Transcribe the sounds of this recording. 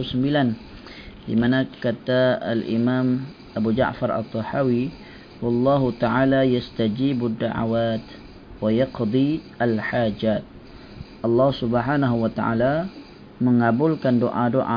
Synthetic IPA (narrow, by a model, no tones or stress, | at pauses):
səmbilan | dḭmanakat̪aːlʔḭmam | ʔabud͡ʒa̰ʔfaɾˤa̰t̪ˤːɔħawi | wɑlˤːɑɦut̪aʕalajast̪ad͡ʒiːbad̪ːaʕa̰waːt̪ | wajɑqd̪ˤiʔalħad͡ʒaːt̪̚ | ʔɑlːɑhsubħaːnaɦuwat̪aʕa̰la | məŋabʊlkandoʔa̰doʔa̰